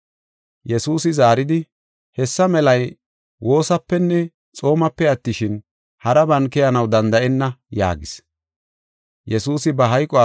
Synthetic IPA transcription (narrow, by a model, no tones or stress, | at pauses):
jɛsuːsɪzaːɾɪd̪ɪ | hɛsːɐmɛlɐj | wʔo̞ːsɐpːɛnːɛ | t͡sʼo̞ːmɐpːɛɐt̪ːɪʃɪn | hɐɾɐbɐnkɛjɐnɐwd̪ɐnd̪ɐʔɛnːɐja̰ːɡɪs | jɛsuːsɪbɐɦɐjkʼɔa